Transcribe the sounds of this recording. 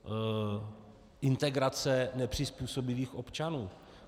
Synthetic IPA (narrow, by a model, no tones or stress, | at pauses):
ʔɪnt̪ɛɡɾat͡sɛnɛpr̥ɪspuːso̞bɪviːxʔo̞pt͡ʃanuː